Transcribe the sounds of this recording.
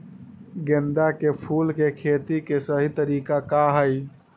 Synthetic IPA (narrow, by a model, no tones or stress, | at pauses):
ɡend̪akepʰulkekʰet̪ikesəɦit̪əɾikakaɦəj